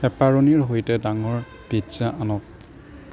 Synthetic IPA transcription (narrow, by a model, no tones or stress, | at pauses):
ɛpaɹoniɹɦojtɛdaŋɔɹ | bidzaʔanɔk̚